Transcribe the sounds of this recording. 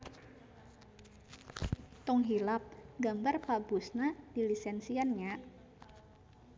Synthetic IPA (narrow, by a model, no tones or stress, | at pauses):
t̪ɔŋɦilap̚ɡambarpabusnad̥ilisɛnsianɲa